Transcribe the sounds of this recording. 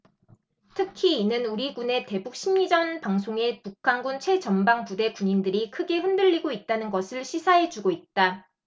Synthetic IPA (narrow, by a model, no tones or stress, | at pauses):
tʰɯkʰiinɯnuɾiɡune̞te̞buk̚ɕ͈ʰimɲid͡ʑʌnpaŋsʰoŋe̞pukʰanɡunt͡ɕʰwe̞t͡ɕʌnbaŋpude̞kuɲindɯɾikʰɯɡe̞ɸɯndɯʎːiɡoit̚t͈anɯnɡʌsʰɯɭɕʰisʰaɦe̞d͡ʑuɡoit̚t͈a